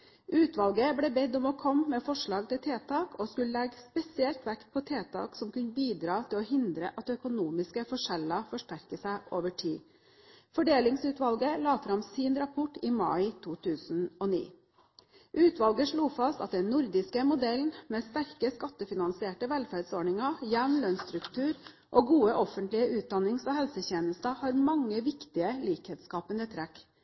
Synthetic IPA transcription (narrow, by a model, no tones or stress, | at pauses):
ʔʉːt̪ʋɑlɡəblɛːbɛd̪ɔmɔːkʰɔmːeːfɔʂɭɑːɡ̚t̪ɪlt̪ʰeːt̪ʰɑːkʰoːskʉləlɛɡspɛsɪɛlt̪ʋæk̪pʰɔt̪ʰeːt̪ʰɑ̰ːksɔmkʉnəbiːd̪ɾɑːt̪ʰɪlɔːhɪnd̪ɾəʔɑt̪œkʊnuːmɪskəfɔʂɛlɑfɔʂʈæɾkəsæɪʔoːʋəʈʰiː | fɔɖeːlɪŋsʉːt̪ʋɑlɡəlɑːfɾɑmsiːnɾɑpʰɔʈːiːmɑ̰ɪt̪ʰuːt̪ʰʉːsn̩ɔnḭː | ʔʉːt̪ʋɑlɡəʂɭuːfɑst̪ɑ̰t̪̚d̪ɛnnʊɾd̪ɪskəmʊd̪ɛln̩meːst̪æɾkəskɑt̪ːəfɪnɑnsɪeːʈəʋɛlfæɾɖsoːɳɪŋɑjæʋnlœnst̪ɾʉkt̪ʰʉːɾ | ʔoːɡuːəʔɔfənt̪lɪəʔʉːt̪̚d̪ɑnɪŋsɔhɛlsəçeːnəst̪əhɑːɾmɑŋːəʋɪkt̪ɪəliːkheːt̪skɑːpənd̪ət̪ʰɾɛk